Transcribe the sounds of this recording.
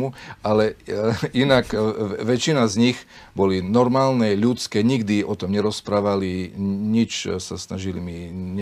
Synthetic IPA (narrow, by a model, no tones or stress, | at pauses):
mualɛinakʋɛt͡ʃinazɲiɣbɔlinɔɾmaːlnɛʎut͡skɛːɲiɡd̪iʔɔt̪ɔmɲɛɾɔspɾaːʋaliɲit͡ʃsasnaʒilimiɲɛ